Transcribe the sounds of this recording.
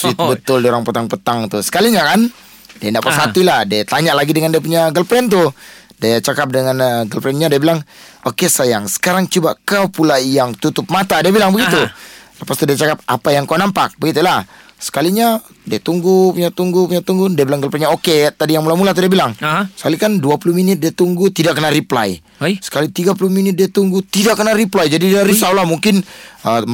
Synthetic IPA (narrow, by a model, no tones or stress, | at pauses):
sit̪ubət̪ʊldioɾaŋpət̪aŋpət̪aŋt̪usə̥kaliɲakan | diandaʔpasat̪ilahdiat̪aɲaʔlaɡidəŋandiap̬uɲaɡəlpɾɛnt̪̬ʊdiat͡ʃakap̚dəŋanɡəlpɾɛnɲadiabilaŋokesajaŋsə̥kaɾaŋt͡ʃubakawpulajaŋt̪ut̪ʊp̚mat̪adiabilaŋbəɡit̪uləpast̪udiat͡ʃakap̚a̰pajaŋkawnampak̚bəɡit̪ulahsə̥kaliɲa | diat̪uŋɡupuɲat̪uŋɡupuɲat̪uŋɡundiabilaŋɡəlpɾɛnɲaoket̪adijaŋmulamulat̪udiabilaŋsə̥kalikanduapuluminɪt̪̚diat̪uŋɡut̪idaʔkːənaɾipla̰j | sə̥kalit̪iɡap̬ulʊhminɪt̪̚diat̪uŋɡut̪idaʔkːənaɾiplajd͡ʒadidiaɾisawlamuŋkɪnə